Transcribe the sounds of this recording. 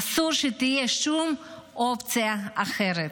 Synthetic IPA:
suɾʃit̪ijeʃt͡ʃum | opt͡siaaχeɾe

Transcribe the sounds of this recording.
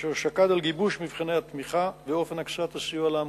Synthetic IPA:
eʃakad̪alɡibuʃmivχinehat̪miχabeo̞fe̞naksat̪asijualam

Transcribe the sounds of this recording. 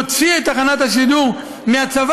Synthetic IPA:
ot͡siet̪aχanat̪haʃiduʁ | meat͡sav

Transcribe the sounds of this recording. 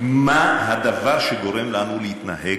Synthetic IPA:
mahad̪avaʁʃeɡo̞ʁe̞mlanulehit̪na̰ɦe

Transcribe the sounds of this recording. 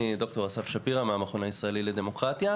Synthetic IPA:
id̪o̞kt̪o̞ʁasafʃapiʁameameχonaisʁaeliled̪e̞mo̞kʁat̪ja

